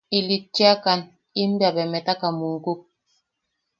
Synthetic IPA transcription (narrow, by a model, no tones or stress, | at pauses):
ilit̚t͡ʃiakan | im̩babɛmɛtakamuŋkuk̚